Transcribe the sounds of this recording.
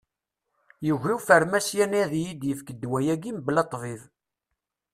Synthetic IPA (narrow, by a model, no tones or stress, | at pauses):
jəʝiwfəɾmæsjæniðjid̪jəfkəd̪ːwæjæɡimblɑt̪ˤːvið